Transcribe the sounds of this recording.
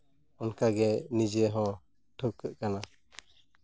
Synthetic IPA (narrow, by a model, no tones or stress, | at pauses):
ɔnkaɡɛnid͡ʒɛɦɔ̃ | ʈʰukːəʔkana